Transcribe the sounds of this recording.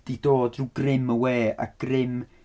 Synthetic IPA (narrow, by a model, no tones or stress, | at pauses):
d̥idoːdruɡrɪməweːa̰k̚ɡ̥rɪm